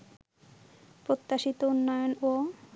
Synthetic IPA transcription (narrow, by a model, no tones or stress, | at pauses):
pɾot̪ːaʃit̪ounːojono